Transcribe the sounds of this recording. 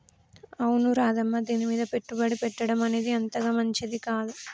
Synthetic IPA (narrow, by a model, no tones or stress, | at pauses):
ɐwunuɾaːd̪ɐmːɐd̪iːnimiːd̪ɐpeʈːubɐɽipɛʈːɐɽɐmɐned̪iɐnt̪ɐɡɐmɐɲt͡ʃed̪ikaːd̪u